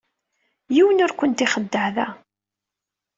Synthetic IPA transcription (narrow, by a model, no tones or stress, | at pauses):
jiwənʊɾkʷənt̪iχəd̪ːəʕðæ